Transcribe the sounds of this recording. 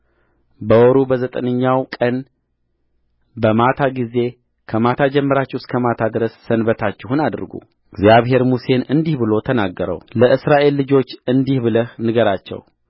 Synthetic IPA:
bəwɔɾubəzət̪ʼənəɲːawkʼən | bəmat̪ʰaɡize̞ | kʰəmat̪ʰad͡ʒɛmːəɾat͡ʃːɪhuskʰəmat̪ʰad̪ɨɾəsːənbət̪ʰat͡ʃːɪhunad̪ɨɾɡṵ | ɡzjaβɦe̞ɾmuse̞nɨnd̪ihbɨlo̞t̪ʰənaɡːəɾə̰wləʔɨsɾaʔe̞lːɨd͡ʒo̞t͡ʃːɨnd̪ihbɨləhnɨɡəɾat͡ʃːɛ̰w

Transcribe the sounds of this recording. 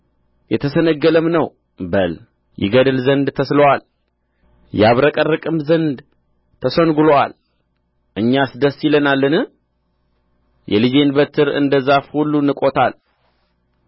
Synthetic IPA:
jɛt̪ʰəsənəɡːələmnəw | bəl | jɪ̰ɡəd̪ɨlzənd̪t̪ʰəsləwal | jaβɾəkʼərːɨkʼɨmzənd̪ | t̪ʰəsənɡulowa̰l | ʔɨɲːasd̪əsːjilənalːənɨ | jɛlɨd͡ʒe̞nbət̪ʰːɨɾɨ̰nd̪əzafhulːunɨkʼo̞t̪ʰal

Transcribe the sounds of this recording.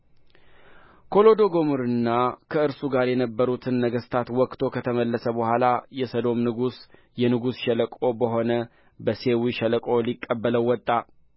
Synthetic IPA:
kʰo̞lo̞d̪o̞ɡo̞muɾɨnːakʰəɨɾsuɡaɾjɛnəbːəɾut̪ʰɨnːəɡəst̪ʰat̪wɔkt̪ʰo̞kʰət̪ʰəməlːəsəbəhʷalajɛsəd̪o̞mnɨɡus | jɛnɨɡusʃɛləkʼobəɦo̞nə | bəse̞wiʃɛləkʼo̞likʼːəbːələwːɔt̪ʼːa

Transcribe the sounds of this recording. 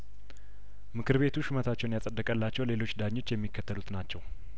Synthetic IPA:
mɨkʰɨɾβe̞t̪ʰuʃɨmət̪ʰat͡ʃːɛwnjasʼəd̪ːəkʼəlːat͡ʃːɛwle̞lo̞t͡ʃːd̪aɲːo̞t͡ʃːjɛmːikʰːət̪ʰːəlut̪nat͡ʃːɛw

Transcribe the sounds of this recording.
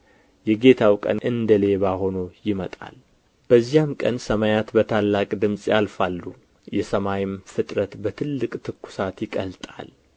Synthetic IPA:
jɛɡe̞t̪ʰawkʼə̰nʔɨnd̪əle̞βaho̞nojɪmət̪ʼa̰l | b̥əzːijamkʼənsəmajat̪bət̪ʰalːakʼd̪ɨmsʼjalfalːu | jɛsəmajɪmfɨt̪ʼɾət̪bət̪ʰɨlːɨkʼt̪ʰɨkːu̥sat̪jɪkʼəlt̪ʼa̰l

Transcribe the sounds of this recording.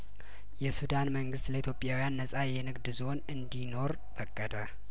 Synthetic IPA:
jɛsud̪anməŋɡɨst̪ləit̪ʰjo̞pʼːjawijanːəsʼajɛnɨɡd̪zo̞nɨnd̪ino̞ɾ | fəkʼːəd̪ə

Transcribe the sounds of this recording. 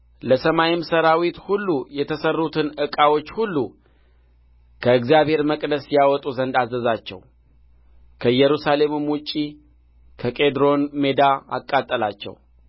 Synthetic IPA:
ləsəmajimsəɾawit̪hulːujɛt̪ʰəsərːut̪ʰɨnɨkʼawo̞t͡ʃːhulːu | kʰəɨkzijabhe̞ɾməkʼd̪əsjawɔt̪ʼuzənd̪azəzat͡ʃːɛ̰w | kʰəɨjɛɾusale̞mɨmut͡ʃʼi | kʰəkʼe̞d̪ɾo̞nme̞d̪aa̰kʼːat̪ʼːəlat͡ʃːɛ̰w

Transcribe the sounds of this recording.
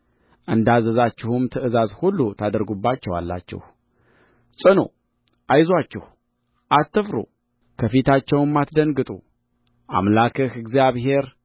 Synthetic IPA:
ʔɨnd̪azəzat͡ʃːɪhumt̪ʰɨɨzazhulːut̪ʰad̪əɾɡubːat͡ʃːɛwa̰lːa̰t͡ʃːɪ̰h | sʼɨno̰ | ʔajzwat͡ʃːɪh | ʔat̪ːɨfɾṵ | kʰəfit̪ʰat͡ʃːɛwmːat̪d̪əŋɡɨt̪ʼṵ | ʔa̰mlakʰɨhɨɡzijaβhe̞ɾ

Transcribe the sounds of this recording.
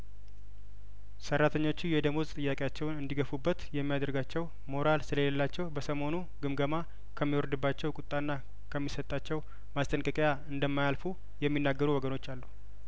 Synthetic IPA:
sərːat̪ʰəɲːo̞t͡ʃːujɛd̪əmuzt̪ʼɨjːakʼejat͡ʃːɛwnɨnd̪iɡəfubːət̪jɛmːijad̪əɾɡat͡ʃːɛw | mo̞ɾalsɨləeləlːat͡ʃːɛwbəsəmo̞nu | ɡɨmɡəma | kʰəmːiwɔɾd̪ɨbːat͡ʃːɛwkʼʊt̪ʼːanːa | kʰəmːisət̪ʼːat͡ʃːɛw | mast̪ʼənkʼəkʼjaɨnd̪əmːajalfu | jɛmːinːaɡːəɾuwɔɡəno̞t͡ʃːalːu

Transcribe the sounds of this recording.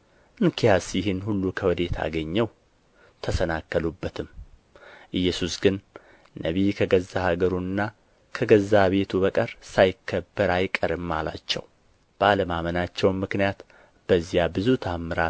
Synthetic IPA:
ʔɨŋkʰijasjɪɦɨnhulːukʰəwɔd̪e̞t̪ʰa̰ɡəɲːɛw | t̪ʰəsənakːəlubːət̪ʰɨm | ʔɨjːɛsusɡɨnː | əβikʰəɡəzːahaɡəɾunɨnːa | kʰəɡəzːaβe̞t̪ʰuβəkʼəɾsajɪkːəbːəɾajkʼəɾɨmːala̰t͡ʃːɛ̰w | b̥əaləmamənat͡ʃːɛwmːɨknijat̪ | b̥əzːijabɨzut̪ʰamːɨɾa

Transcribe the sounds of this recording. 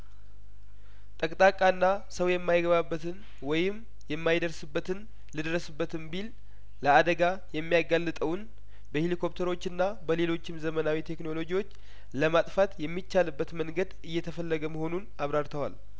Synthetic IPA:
t̪ʼəkʼt̪ʼakʼanːasəwjɛmːajɪɡəβabːət̪ʰɨn | wɔjɪm | jɛmːajd̪əɾsɨbːət̪ʰɨn | lɨd̪ɾəsɨbːət̪ʰɨnbilː | əad̪əɡajɛmːijaɡalːɨt̪ʼəwn | bəhilikʰo̞p̚t̪ʰəɾo̞t͡ʃːɨnːabəle̞lo̞t͡ʃːɪmzəmənawit̪ʰe̞kno̞lo̞d͡ʒiwo̞t͡ʃː | ləmat̪ʼfat̪jɛmːit͡ʃːalɨbːət̪məŋɡəd̪ɨjːɛt̪ʰəfəlːəɡəməho̞nunaβɾaɾt̪ʰəwal

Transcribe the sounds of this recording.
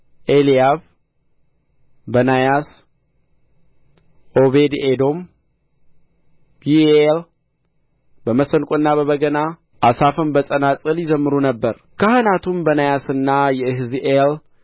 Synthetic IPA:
ʔelijaβ | bənajas | ʔo̞βe̞d̪ed̪o̞m | b̥iel | bəməsənkʼuɨnːaβəβəɡəna | ʔasafɨmbəsʼənat͡sʼɨljɪzəmːɨɾunəbːəɾ | kʰəhɨnat̪ʰumbənajasɨnːajɛɨhɨziʔel

